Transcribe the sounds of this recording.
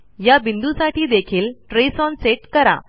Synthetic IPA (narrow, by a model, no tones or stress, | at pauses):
jabind̪usaʈiːd̪ekʰiːlʈɾesɔnseʈkəɾa̰